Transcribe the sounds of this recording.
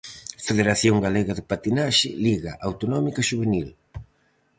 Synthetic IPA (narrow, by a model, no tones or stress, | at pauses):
feðeɾaθjoŋɡaleɣaðɪpat̪inaʃɪ̰liɣaʔawt̪onɔmikaʃuβenil